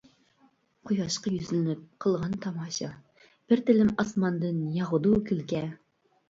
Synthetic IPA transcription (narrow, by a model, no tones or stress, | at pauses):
qʰujɑʃqɑjyzlɪnɪp̚qʰə̆lˠʁɑnt̪ʰɑmɑʃɑ | b̥ɘɾt̪ɪ̆lɘmɑsmɑnd̪ɤnjɑʁɤ̆d̪ukʲʰylkʲɛ